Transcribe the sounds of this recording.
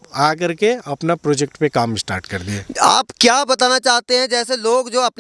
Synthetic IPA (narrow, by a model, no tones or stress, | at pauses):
aːk̬ɐɾkeɐpnapɾoːd͡ʒɛk̚ʈpekaːmɪsʈa̰ːɾʈkɐɾd̪ieːa̰ːpkjaːbɐt̪aːnat͡ʃaːɦt̪eɦɛ̃d͡ʒɛːseloːɡd͡ʒoːɐpn